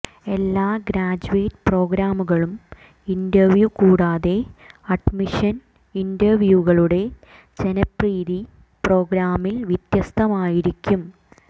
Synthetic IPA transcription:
e̞lːaːɡɾaːd͡ʑuʋeːtpro̞ːɡɾaːmuɣɐɭum | indɐrʋjukuːɽaːðe̞ɐɖmiʂɐn | indɐrʋjuɣɐɭuɽe̞ | d͡ʑe̞nɐpriːði | pro̞ːɡɾaːmːilʋit̪jɐst̪ʰɐmaːjiɾikʲːum

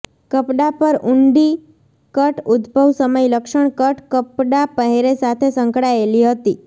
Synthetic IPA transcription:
kəpɖapəɾuɳɖi | kəʈʊd̪bʱəʋsəməjləkʃəɳkəʈkəpɖapəɦeɾesat̪ʰesəŋkɽaeliɦət̪i

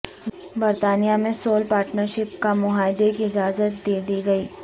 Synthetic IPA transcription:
bɐɾt̪aːnijamẽsoːlpaːɾʈnəɾʃɪp̚kamʊɦaːɪd̪ekiɪd͡ʒaːzət̪̚d̪eːd̪iɡɐiː

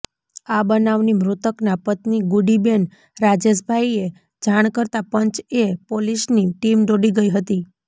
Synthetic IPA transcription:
abənaʋnimɾut̪əknapət̪niɡuɖiben | ɾad͡ʒes̬bʱaje | d͡ʒaɽ̃kəɾt̪apəɲt͡ʃepoliʃniʈimɖ̪oɽiɡəiɦət̪i

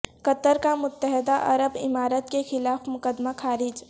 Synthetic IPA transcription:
kət̪əɾkamʊt̪ːəɦɪd̪aʔɐ̰ɾəbɪ̰maːɾət̪kexɪlaːfmʊkəd̪maxaːɾɪd͡ʒ

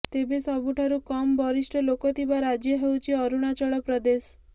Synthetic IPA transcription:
t̪ebesɔbuʈʰaɾukɔmɔbɔɾisʈɔlokɔt̪ʰibaɾad͡ʒjɔɦewt͡ʃʰiɔɾuɽ̃at͡ʃɔɭɔpɾɔd̪es

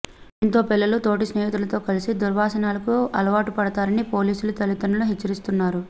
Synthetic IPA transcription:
int̪o̞ːpilːɐlut̪o̞ːʈ̬isneːɦit̪ulɐt̪o̞ːkɐlisid̪uɾʋaːsɐnaːlɐkuɐlɐʋaːʈupɐɽɐt̪aːɾɐnipo̞ːliːsulut̪ɐlit̪ɐnɐluɦet͡ʃːɐɾist̪unːaːɾu

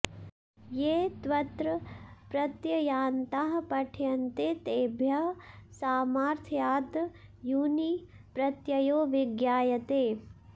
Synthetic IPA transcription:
jeːt̪ʋɐt̪ɾɐpɾɐt̪jɐjaːnt̪aɦɐpɐʈʰjɐnt̪et̪eːbʱjɐsaːmaːɾt̪ʰjaːd̪juːni | pɾɐt̪jɐjoːʋɪɡjaːjɐt̪eː

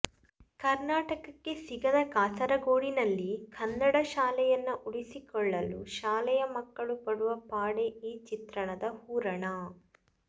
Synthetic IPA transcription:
kɐɾnaːʈɐkɐkːesiɡɐd̪ɐkaːsɐɾɐɡoːɽinɐlːikʰɐnːɐɽɐʃaːlɛjɐnːɐʔuɭisikɔɭːɐluʃaːlɛjɐmɐkːɐɭupɐɽuʋɐpaːɽeiːt͡ʃit̪ɾɐɳɐd̪ɐhuːɾɐɳɐ

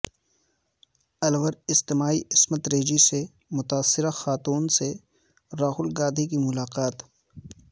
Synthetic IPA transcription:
ɐlʋəɾɪst̪ɪmaːiʔɪsmət̪ɾeːd͡ʒise | mʊt̪aːsːɪɾaxaːt̪uːnse | ɾaːɦʊlɡaːd̪ʱikimʊlaːqaːt̪

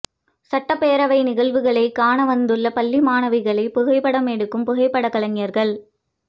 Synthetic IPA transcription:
sɐʈːɐpːeːɾɐʋɐɪnɪɣɐɭʋɯɣɐɭɐɪkaːɳɐʋɐnd̪ɯɭːɐpɐlːimaːnɐʋɪɣɐɭɐɪpʊɣɐɪpːɐɽɐmɛɽɯkːɯmpʊɣɐɪpːɐɽɐkːɐɭɐŋɪjɐɾɣɐɭ

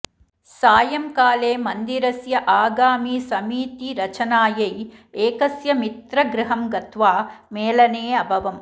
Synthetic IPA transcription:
saːjɐmkaːleːmɐnd̪iɾɐsjɐʔaːɡaːmiːsɐmiːt̪iɾɐt͡ʃɐnaːjɐjeːkɐsjɐmit̪ɾɐɡɾɪɦɐmɡɐt̪ʋaːmeːlɐneːɐbʱɐʋɐm

